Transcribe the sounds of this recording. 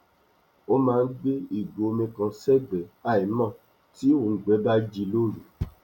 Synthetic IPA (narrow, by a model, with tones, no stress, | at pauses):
o˦mãː˦˧n̩˦ɡ͡be˦i˦˨ɡ͡bo˨o˧mĩ˧kã˧sɛ˦ɡ͡bɛ˨˦a˦˨i˨˦mã˦˨ | ti˨˦o˦˨ŋ̩˨ɡ͡bɛ˨˦ba˦d͡ʒi˧lo˦˨ɾu˨